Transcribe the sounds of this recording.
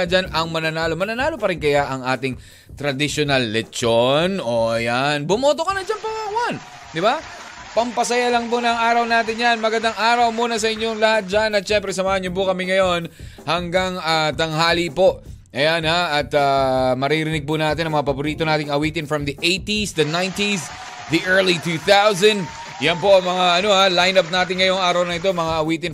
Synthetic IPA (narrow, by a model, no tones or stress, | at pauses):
ɐd͡ʒanʔɐŋmɐnɐnaːlomɐnɐnaːlo̞pɐɾɪnkɐjaʔɐŋaːt̪ɪŋ | t̪ɾɐd̪ɪʃonɐlːɛt͡ʃonoʔɐjanbʊmoːt̪okɐnɐd͡ʒanpɐawan | d̪ɪba | pɐmpɐsɐjalɐŋponɐŋʔaːɾɐwnaːt̪ɪnjanmɐɡɐnd̪aŋʔaːɾɐwmuːnɐs̬ɐʔɪɲjoŋlɐhat̪̚d͡ʒanɐt̪̚ʃɛmpɾɛsɐmaːhɐɲopʊkɐmɪŋɐjo̞nhɐŋɡaŋat̪ɐŋɦaːlipo̞ʔʔɐjanaʔɐt̪amɐɾiɾɪnɪɡ̚pʊnaːt̪ɪnɐŋmɐŋapɐboɾiːt̪o̞naːt̪̬ɪŋɐwiːt̪ɪnfɾɐmd̪ɐʔejt̪isd̪ɐnajnt̪is | d̪iʔɛɹlit̪uːθawzɐ̃nd̪ | jɐnpo̞ʔɐŋmɐŋaʔɐno̞halajnɐp̚naːt̪ɪŋːɐjoŋʔaːɾɐwnɐʔɪt̪̬o̞mɐŋaʔɐwiːt̪ɪn